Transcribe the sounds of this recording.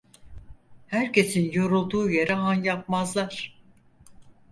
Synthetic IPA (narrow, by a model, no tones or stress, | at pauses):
hæɾcʰe̞sinjo̞ɾulˠd̪uːje̞ɾɛanjap̚mazlˠaɾ̥